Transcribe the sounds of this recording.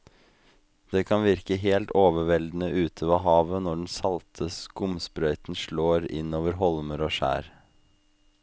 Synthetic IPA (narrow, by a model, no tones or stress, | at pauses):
d̪̥eːkʰɑnʋɪɾkəɦeːlt̪oːʋəʋɛld̪n̩əʔʉːt̪ʰəʋɑːɦɑːʋənɔɖɛn̩sɑlt̪ʰəskʊmspɾœʏt̪n̩ʃɭoːɾɪ̰noːʋəɾɦɔlməɾoːʃæ̰ːɾ